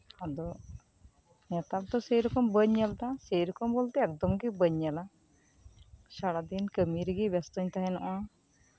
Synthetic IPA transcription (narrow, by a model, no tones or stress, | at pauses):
ad̪ɔ | nɛt̪ap̚t̪ɔsejɾɔkɔmbəɲːɛld̪asejɾɔkɔmbolt̪eɛk̚d̪ɔmɡibəɲːɛla | saɽad̪inkəmiɾiɡibɛst̪ɔɲt̪aɦɛnɔʔa